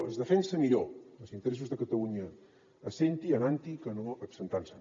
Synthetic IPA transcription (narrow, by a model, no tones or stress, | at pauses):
əzðəfɛnsəmiʎoəlsint̪əɾes̬uzðəkət̪əluɲəː | sent̪iənant̪ikənoəpsənt̪ansən